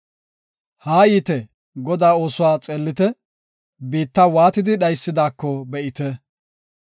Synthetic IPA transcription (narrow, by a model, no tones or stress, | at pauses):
haːjiːt̪ɛ | ɡɔd̪aːo̞ːsʊwaːt͡sʼeːlːɪt̪ɛ | biːt̪ːɐwaːt̪ɪd̪ɪɗɐjsːɪd̪aːkːɔbɛʔɪt̪ɛ